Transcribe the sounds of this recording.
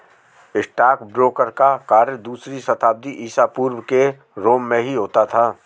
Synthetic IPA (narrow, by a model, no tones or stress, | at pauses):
ɪsʈaːkbɾoːkəɾkakaːɾəd̪uːsɾisɐt̪ʰaːb̚d̪iʔiːsaːpuːɾwke | ɾoːmːẽɦiɦoːt̪at̪ʰaː